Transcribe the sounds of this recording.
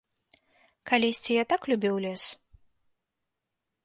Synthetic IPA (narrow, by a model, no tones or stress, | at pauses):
kalʲɛsʲt͡sʲijat̪aklʲubʲiwlʲɛs